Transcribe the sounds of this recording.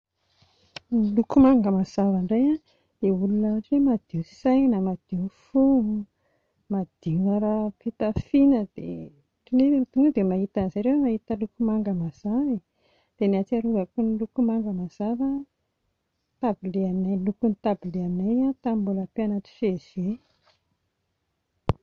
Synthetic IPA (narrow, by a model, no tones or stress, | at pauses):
nilukumaŋɡəmaz̥avaɳɖ͡ʐaja | d̪̥eulunaaʈ͡ʂiwemad̪̥iusajnəmad̪̥ifu | mad̪̥iŋaɾapit̪afinəd̪̥ḛ | ʈ͡ʂineut̪uŋad̪emaɦit̪anzajɾewemaɦit̪əlukumaŋɡəmaz̥avi | d̪̥eniat͡siaɾuvəkunilukumaŋɡəmaz̥avə | t̪abileannajlukunit̪abileannajat̪ambulapeanat̪i̥fez̥e